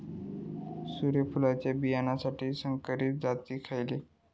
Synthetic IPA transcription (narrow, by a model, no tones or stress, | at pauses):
suɾepʰulat͡ɕjabijanasaʈʰiːsəŋkəɾit̪̚d͡zat̪iːkʰajle